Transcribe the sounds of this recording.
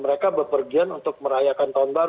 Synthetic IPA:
məɾekabəpərɡianunt̪ʊk̚məɾajakant̪aʊnbaɾ

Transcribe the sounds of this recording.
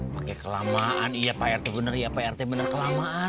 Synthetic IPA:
pakɛkəlamaʔanijapaɛrt̪ebənərijapaɛrt̪ɛbənərkəlamaʔa

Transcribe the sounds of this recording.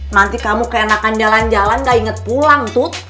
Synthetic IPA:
nant̪ikamukəenakand͡ʒaland͡ʒalanŋɡaiŋət̪̚pulaŋt̪ʊ

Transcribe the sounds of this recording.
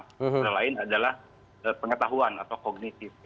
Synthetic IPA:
ɾalaɪnadalah | əpəŋət̪aɦuana̰t̪awkoɡ̚nit̪ɪf

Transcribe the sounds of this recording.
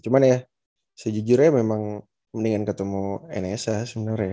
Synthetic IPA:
t͡ʃumanja | səd͡ʒid͡ʒuɾjamemaŋ | məniŋankət̪əmuḛnesasəbənərja

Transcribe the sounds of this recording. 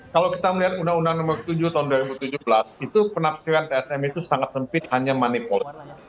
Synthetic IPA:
kalawkit̪aməliɦat̪̚undaŋundaŋnɔmərt̪ud͡ʒuht̪aɦunduaɾibut̪ud͡ʒubəlasit̪upənapsiɾant̪eɛsɛmit̪usaŋat̪̚səmpɪt̪̚haɲamanipol

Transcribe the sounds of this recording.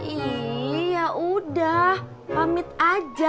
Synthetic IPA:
ijaʔudah | pamɪt̪̚ad͡ʒa

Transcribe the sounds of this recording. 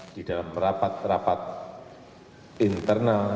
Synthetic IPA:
d̥id̥alamrapat̪̚rapat̪̚ | int̪ərnal

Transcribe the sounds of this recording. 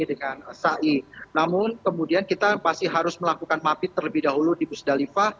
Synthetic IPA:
idəŋansaʔinamʊnkəmudiankit̪apasiɦaɾʊsməlakukanmapit̪ərləbɪhdaɦuludibusdalifa

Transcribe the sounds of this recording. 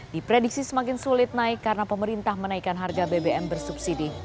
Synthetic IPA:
dipɾedik̚sisəmakɪnsulɪt̪̚naɪkːaɾənapəməɾint̪ahmənaikanɦarɡabebeʔɛmbərsubsidi

